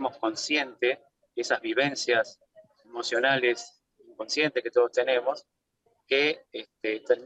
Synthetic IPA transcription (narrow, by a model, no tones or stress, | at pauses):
mo̞sko̞nsje̞nt̪e | esazβiβ̞e̞nsjas | emo̞sjo̞nales | ko̞nsje̞nt̪ehket̪o̞ð̞ost̪e̞ne̞mo̞s | keest̪et̪eɾ